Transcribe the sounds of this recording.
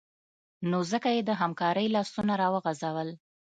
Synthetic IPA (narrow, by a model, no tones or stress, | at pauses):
nozəkajed̪əɦamkɑɾəjlɑsunaɾɑwəɣazawəl